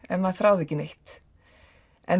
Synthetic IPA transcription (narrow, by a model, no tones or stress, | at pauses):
ɛnmaðθɾaːwðɛcɪnejht̪ | ɛ̰n